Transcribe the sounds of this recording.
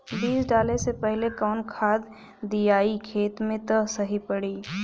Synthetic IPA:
biːsɖaːlesepɛɦlekɔːnkʰaːd̪ | d̪ijaːikʰeːt̪mẽt̪əsɐɦipɐɽiː

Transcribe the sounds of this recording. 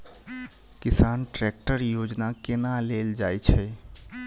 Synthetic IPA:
kɪsaːnʈɾɛk̚ʈəɾjoːd͡ʒnakɪnaleːld͡ʒaːjt͡ʃʰɛ

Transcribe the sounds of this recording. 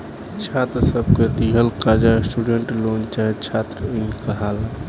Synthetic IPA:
t͡ʃʰat̪ɾəsəb̚ʱked̪iɦəlkad͡ʒasʈuɖeɳʈlont͡ʃat͡ʃʰat̪ɾəinkəɦala

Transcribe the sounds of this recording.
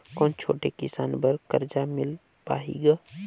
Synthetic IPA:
kɔːnt͡ʃʰo̰ːʈekɪsaːnbəɾkɐɾd͡ʒamɪl | pa̰ːɦḭːɡaː

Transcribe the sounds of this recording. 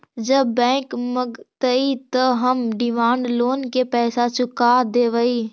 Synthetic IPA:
d͡ʒəbːɛ̃ːkməɡt̪əit̪əɦəmɖɪmãːɳɖloːnkepɛːsat͡ʃʰʊkaːd̪eːʋəiː

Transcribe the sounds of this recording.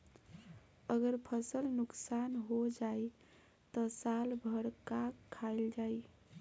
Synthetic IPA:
əɡəɾpʰəsəlnuksanɦod͡ʒaj | t̪ɔsalbʱəɽkakʰːaɪld͡ʒaj

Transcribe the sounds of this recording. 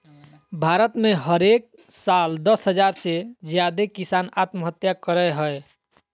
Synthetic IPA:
bʱaɾət̪mẽɦəɾek̚ | sald̪əsɦəd͡ʒaɾsed͡ʒjad̪ekisanat̪məɦət̪jakəɾəjɦəe

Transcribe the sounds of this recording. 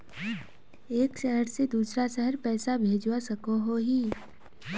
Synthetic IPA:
eːkʃəɦəɾsed̪uːsɾaʃəɦəɾpɛːsabʱeːd͡ʒwasɐkoɦoɦiː

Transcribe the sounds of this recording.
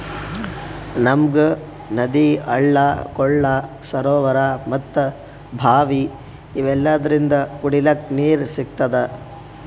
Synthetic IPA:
nɐmɡɐ | nɐd̪iɐ̰ɭːɐkɔɭːɐ | sɐɾoːʋɐɾamɐt̪ːɐ | bʱaːʋiː | ʋɛlːɐd̪ɐɾind̪ɐkuɽilɐkniːɾsiɡ̚t̪ɐd̪e

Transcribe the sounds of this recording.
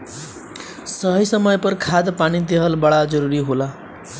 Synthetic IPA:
sʌɦʌjsʌmʌjpʌrkʰad̪panid̪eɦʌlbaɽad͡zʌɾuɾiɦola

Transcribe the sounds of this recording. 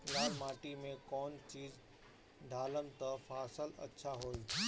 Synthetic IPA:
ɡaːɾmaːʈimẽkɔːnt͡ɕiːz | ɖʱaːləmt̪ɐfaːsəlɐ̰tːʃʰaɦoːl

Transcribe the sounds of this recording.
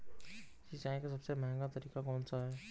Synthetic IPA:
ʃit͡ʃaːĩkas̬ɐbseməɦɛ̃ŋɡat̪ɐɾiːkakɔːnsaɦɛː

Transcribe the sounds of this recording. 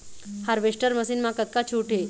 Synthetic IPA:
haɾʋeʂʈəɾməsiːnmakət̪̚kat͡ɕʰuʈʰe

